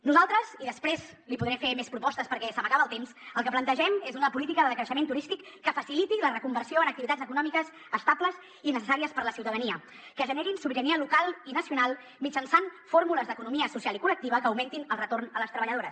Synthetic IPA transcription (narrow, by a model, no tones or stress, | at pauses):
nuzalˠt̪ɾəziðəspɾez | lipuðɾɛmfemespɾupɔst̪əspəɾkɛsəmbakaβəːlˠt̪emsəlˠkəplənt̪əʒɛmezunəpulit̪ikəðəðəkɾəʃəment̪uɾist̪ikːəfəsilit̪ilərəkumbəɾsioənək̚t̪iβit̪ad͡zəkunɔmikəz | əst̪abləz | inəsəsaɾiəspəɾləsiwt̪əðəniə | kəʒəneɾinsuβiɾəniəlukalˠinəsiunalˠ | mid͡ʒənsanfoɾmuləzd̪əkunumiəsusjalˠikulək̚t̪iβ̞əkəːwment̪inəlˠrət̪ornələst̪ɾəβəʎəð̞oɾəs